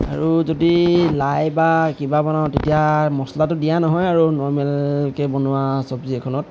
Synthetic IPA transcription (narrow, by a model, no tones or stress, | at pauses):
a̰ɹuzodilajbakibabɔnaʊtetijamɔslatʊdijanɔɦɔjaɹunɔɹmɛlkɛbɔnʊwasɔbziɛkʰɔnɔt̚